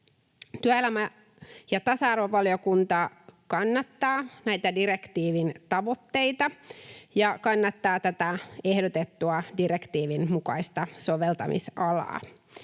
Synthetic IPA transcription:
t̪yæelæmæ | jɑt̪ɑsɑɑrʋoʋɑljokunt̪ɑkɑnːɑt̪ːɑːnæjt̪ædiɾe̞kt̪iːʋint̪ɑʋo̞t̪ːe̞jt̪ɑjɑkɑnːɑt̪ːɑːt̪æt̪æehdot̪et̪ːuɑdiɾekt̪iːʋinmukɑ̰ist̪ɑsoʋelt̪ɑmḭsɑlɑ̰ː

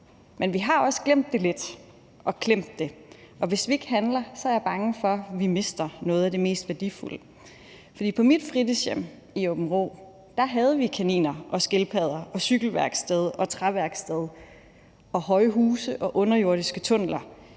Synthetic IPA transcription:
menʋiɦɑ̈ɒ̽sɡ̥lem̰d̥ːe̝le̝d̥ | ʔɒ̽kʰlem̰d̥ːe̝ | ʔɒ̽ʋe̝sʋie̝ɡ̥əɦænlɐsɒ̽æɐjɑ̈b̥ɑ̈ŋəfɒ̽ʋime̝sd̥ɐnɔ̽ːð̞̩ˠæd̥e̝me̝̰ːsd̥ʋæɐd̥ifulə | fɒd̥ḭːpʰɒ̽mid̥fʁidisjem̰ | iob̥n̩ʁo̝̰ː | d̥ɑ̈ɦɛð̞̩ˠəʋikʰænḭːnɐʔɒ̽sɡ̥e̝lpʰɛð̞ˠɐʔɒ̽syɡ̥l̩ʋæɐɡ̥sd̥eð̞ˠʔɒ̽t͡sʰʁɑʋæɐɡ̥sd̥eð̞ˠ | ɒ̽hɒ̽ɪɦuːsəʔɒ̽ʔɔ̽nɐjo̝ɐ̰ɾ̥isɡ̥ət͡sʰɔ̽n̰lɐ

